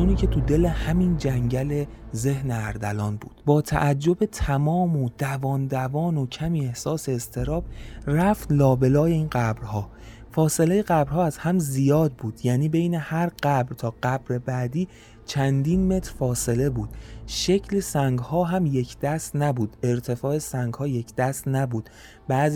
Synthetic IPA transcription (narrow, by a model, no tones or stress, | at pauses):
uːniːcʰe̞t̪ʰud̪e̞lehæmind͡ʒæŋɟæle̞ze̞hneæɾd̪ælɒːnbṵːd̪̥bɒːt̪ʰæ̰ʔæd͡ʒːo̞be̞t̪ʰæmɒːmod̪̥ævɒːnd̪ævɒːno̞cʰæmiːehsɒːse̞ːst̪ʰe̞ɾɒːb̥ræft̪lɒːbe̞lɒːjeiːnɢæbɾhɒː | fɒːse̞le̞jeɣæbɾhɒːæz̥hæmzijɒːd̪̚buːd̪̥jæniːbejne̞hæɾɢæbɾt̪ʰɒːɢæbɾe̞bæːd̪iː | t͡ʃʰænd̪iːnme̞t̪ɾfɒːse̞le̞buːd̪̥ʃe̞cʰlesæŋɡhɒːɦæmje̞cʰd̪̥æst̪næbuːd̪̥e̞ɾt̪ʰe̞fɒːe̞sæŋɡhɒːje̞cʰd̪æst̪næbuːd̪̥ | bæz